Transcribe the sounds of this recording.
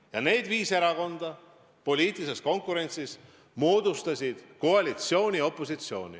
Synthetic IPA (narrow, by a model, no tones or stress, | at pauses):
jɑne̞ːd̪viːse̞ɾɑko̞nd̪̥ɑ | po̞lʲiːt̪ˑiise̞sko̞ŋkuɾe̞nʲt̪sis | mo̞ːd̪ust̪ɑsʲid̪̥koɑlʲit̪sio̞ːnʲio̞pːˑo̞s̬it̪sio̞ːnʲḭ